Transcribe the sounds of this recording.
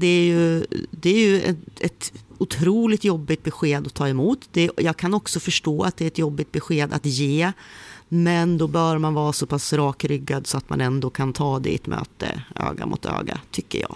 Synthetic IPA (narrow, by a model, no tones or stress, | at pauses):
d̪ɛæɾjɵd̪ɛæɾjɵɛ̰ɛt̪ʊt̪ʰɾuːlɪt̪jɔbːɪt̪̚bɛɧeːd̪ɔt̪ʰɑːɛmuːt̪d̪ɛjɑːɡkʰanɔksɔfœʂʈoːat̪̚d̪ɛæɾɛt̪jɔbːɪt̪̚bɛɧeːd̪a̰t̪jeː | mɛnd̪ɔbœɾmanvɑːɾasɔpʰasɾɑːkɾʏɡːad̪sɔat̪ma̰nɛnd̪oːkʰant̪ʰɑːd̪ɛ̰ɛt̪mʔø̰ːt̪ə̰ø̰ːɡa̰mʊ̰t̪ʰø̰ːɡa̰t̪ʰʏkːə̰jɑ̰ː